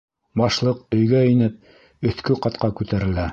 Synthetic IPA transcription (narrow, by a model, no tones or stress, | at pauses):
bɑʃlˠɤqɵ̆jɡæinɘp̚ | ɵ̆θkɵqɑt̪qɑkʉt̪æɾɘ̆læ